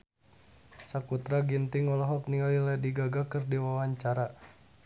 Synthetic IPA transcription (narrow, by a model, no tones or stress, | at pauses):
sakut̪ɾaɡint̪iŋɔlɔɦɔk̚niŋaliladiɡaɡakɨrdiwawaɲt͡ʃaɾa